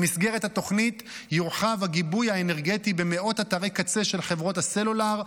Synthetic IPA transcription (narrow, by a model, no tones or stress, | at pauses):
misɡe̞ʁethat̪o̞χnit̪juʁχavaɡibujhaene̞ʁɡetibeme̞ʔo̞tat̪aʁekat͡seʃe̞lχevʁo̞thaselulaʁ